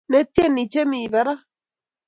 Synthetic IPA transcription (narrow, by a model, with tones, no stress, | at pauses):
ne˦t̪je˦ni˨t͡ʃe˦mi˨βa˨ɾa˦